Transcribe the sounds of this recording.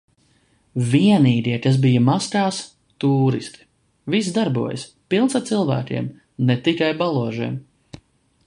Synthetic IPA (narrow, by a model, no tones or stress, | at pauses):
viɛniːɡ̪ʲiɛkas̬bijɐmaskaːs | t̪uːɾḭst̪i̥ | vis̬d̪aɾbuɔjə̰s | pilˠnsaɾt̪silˠvæ̰ːkʲiɛm | net̪ikajbalˠuɔʒiɛm